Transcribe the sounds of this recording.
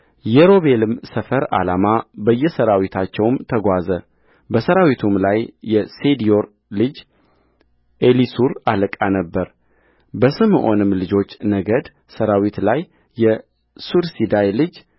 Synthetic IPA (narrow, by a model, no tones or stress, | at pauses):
jɛɾo̞βe̞lɨmsəfəɾa̰lamabəjːɛsəɾawit̪ʰat͡ʃːɛwmt̪ʰəɡʷazə | bəsəɾawit̪ʰumlajːɛsed̪io̞ɾ | lɨd͡ʒ | ʔelisuɾaləkʼanəbːəɾ | bəsɨmɨʔo̞̰nɨmlɨd͡ʒo̞t͡ʃːnəɡəd̪ | səɾawit̪lajː | ɛ | suɾsid̪ajlɨd͡ʒ